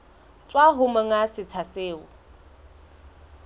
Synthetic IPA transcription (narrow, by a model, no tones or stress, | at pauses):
t͡sʼwaɦʊmaŋasɪt͡sʰaseːʊ